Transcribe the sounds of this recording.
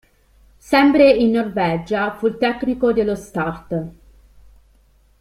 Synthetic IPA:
sɛmpɾeinːorvɛd͡ʒafult̪ɛkːnikod̪elːost̪art̪

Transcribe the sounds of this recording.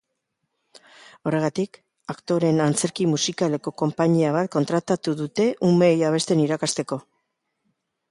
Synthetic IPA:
o̞re̞ɣat̪ik | akt̪o̞ɾe̞nant͡se̞ɾkimusikale̞ko̞ko̞mpaɲiaβ̞at̪̚ko̞nt̪ɾat̪at̪uðut̪e̞ʔume̞jaβ̞e̞st̪e̞niɾakast̪e̞ko̞

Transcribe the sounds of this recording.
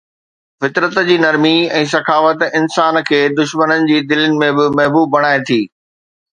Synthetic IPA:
fɪt̪ɾət̪d͡ʑiːnɐɾmiɛ̃ːsɐkʰaːfət̪ɪnsaːnkʰeːd̪ʊʃmənənɪ̆d͡ʑiːd̪ɪlənɪ̆mẽbɪmɐɦbuːb̚ːɐɽ̃aːet̪ʰiː

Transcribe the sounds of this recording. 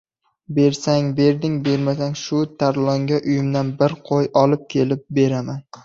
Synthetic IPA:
be̞ɾsaŋbe̞ɾd̪ɪŋbe̞ɾmasaŋʃʊt̪ʰaɾlˠɒŋɡʲaʔʊjɪmd̪anbɪɾqʰojɒlɪp̚kʲʰe̞lɪp̚be̞ɾaman

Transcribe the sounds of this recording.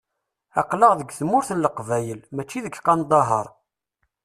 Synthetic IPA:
ɑqləʁðəɡʷθmʊɾθəlːəqvæjəlmæt͡ʃːiðəkqɑnd̪ˤɑɦə̰ɾˤ

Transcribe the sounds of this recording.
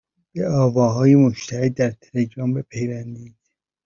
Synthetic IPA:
b̥eɒːvɒːɦɒːjemoʃt̪ʰæhed̪ːæɾt̪ʰeleɡɾɒːmbepʰejvænd̪id̪̥

